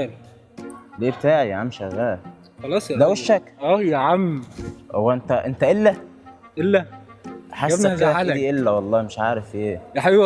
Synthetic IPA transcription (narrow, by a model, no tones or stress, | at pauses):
l | leːbet̪aːʕiʕamʃæɣæːʔ | xɑlɑːsˤlæweʃːækʔæːjæʕamːhowːæʔent̪æʔent̪æʔelːæ | ʔelːæ | ħasææd̪iːʔelːæwɑlˤːɑːmeʃʕaːɾefʔeːjaħaw